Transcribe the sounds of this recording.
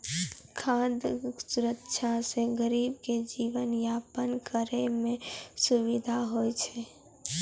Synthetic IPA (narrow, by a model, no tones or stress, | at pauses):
kʰãd̪suɾəkʃʰasẽɡəɾibked͡ʒiʋənjapənkəɾemẽsuʋid̪ʱaɦojt͡ʃʰɛ